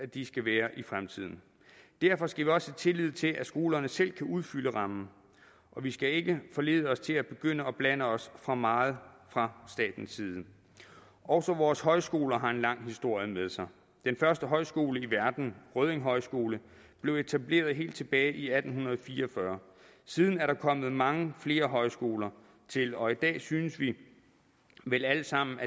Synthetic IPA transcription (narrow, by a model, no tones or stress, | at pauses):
æd̥isɡ̥æʋæːɐʔifʁamt͡sʰið̞̰ˠn̩ | d̥æɐfɒ̽sɡ̥æʋiɒ̽sət͡sʰe̝lið̞̰ˠt͡sʰe̝lʔæsɡ̥o̝ːlɐnəsel̰kʰæʔuðˠfyləʁɑ̈mn̩ | ʔɒ̽ʋisɡ̥æe̝ɡ̥əfɒ̽le̝̰ːðˠəɒ̽st͡sʰe̝læb̥e̝ɡ̥øn̰əɒ̽b̥lænəɒ̽sfʁɑ̈mɑ̈ːð̞̩ˠfʁɑ̈sd̥ɛ̰ːd̥n̩siːð̞̩ˠ | ʔɒʊsɒ̽ʋɒːshɒ̽ɪsɡ̥o̝ːlɐɦɑ̈e̝nlɑ̈ŋ̰ɦisd̥o̝ɐ̰jəmeðˠsɑ̈ɪ | d̥enfɶɐsd̥əɦɒ̽ɪsɡ̥o̝̰ːləiʋæɐd̥n̩ʁœð̞ˠeŋɦɒ̽ɪsɡ̥o̝ːlə | b̥le̝ʊe̝t͡sʰæb̥le̝̰ːɐðˠɦe̝̰ːld̥̚t͡sʰe̝b̥ɛːɪʔiæd̥n̩ɦunɐð̩ˠfiːɐɒfɶɐ | sið̞ˠn̩æɐɾɑ̈kʰɒ̽m̰ð̞̩ˠmɑ̈ŋəfle̝ːɐɦɒ̽ɪsɡ̥o̝ːlɐ | t͡sʰe̝lɒ̽id̥ɛ̰ːsynəsʋi | ʋelæləsɑ̈m̰n̩æ